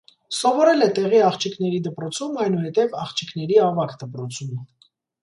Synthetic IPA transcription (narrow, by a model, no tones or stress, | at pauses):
sɔvɔɾɛlɛt̪ɛʁiɑχt͡ʃʰikʰn̪ɛɾid̪əpɾɔt͡sʰumɑjnuhɛt̪ɛvɑχt͡ʃʰikʰn̪ɛɾiɑvɑkd̪əpɾɔt͡sʰumə